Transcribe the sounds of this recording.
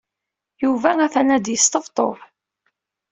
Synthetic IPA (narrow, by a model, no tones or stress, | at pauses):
juvææθænæd̪jəst̪əft̪ˤoɾ